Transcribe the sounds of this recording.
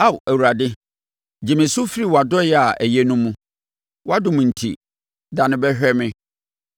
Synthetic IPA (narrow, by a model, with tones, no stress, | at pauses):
a˦˨wæ˨wu˨ɾa˨dɪ˦ | d͡ʑɪ˨mɪ̃˨sʊ˦fi˦ɾi˦˨wɔ˨a˨dɔ˦jɛ˦a˨ʔæ˨jɛ˦nũ˦mũ˦ | wɔ˦a˦dʊ̃˨mũ˨n̩˨tʰḭ˨ | dã˨nɪ̃˨bɛ˦ɕᶣɛ˦mɪ̃˦